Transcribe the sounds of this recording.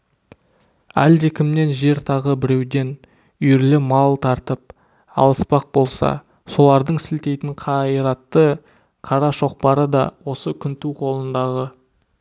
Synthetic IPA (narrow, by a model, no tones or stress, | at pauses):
æ̰ld̪e̞kʲʰɪmne̞nʒe̞ɾt̪ʰɑʁəbɪɾe̞wd̪e̞n | ʏjɪɾlɪmɑlˠt̪ʰɑɾt̪əp̚ | ɑ̰lˠəspɑq̚bo̞lˠsɑ̰ | so̞lˠɑɾd̪əɴsɪlt̪e̞jt̪ɪɴqʰɑəɾɑt̪ːə | qʰɑɾɑʃo̞q̚pɑɾəd̪ɑ̰wo̞səkʲʰʏnt̪uwqʰo̞lˠənd̪ɑʁə